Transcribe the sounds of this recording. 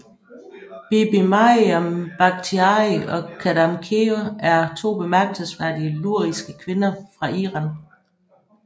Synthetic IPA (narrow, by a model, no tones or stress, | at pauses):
b̥ib̥imɑɒmb̥ɑ̈ɡ̥̚t͡sʰiɑiɒ̽kʰædɑmkʰeoæɐt͡sʰo̝̰ːb̥e̝mæɐɡ̥̚d̥səsʋæɐ̰d̥iəluɐ̰isɡ̥əkʰʋe̝nɐfʁɑ̈iʁɑ̈n